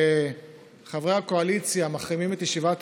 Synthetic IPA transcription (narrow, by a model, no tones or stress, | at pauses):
χavʁehakoalit͡sjamaχʁimimet̪jeʃivat̪